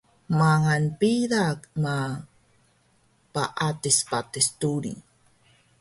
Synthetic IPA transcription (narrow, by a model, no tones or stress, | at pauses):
maŋanpidakma | paʔat̪ispat̪est̪uɾḭ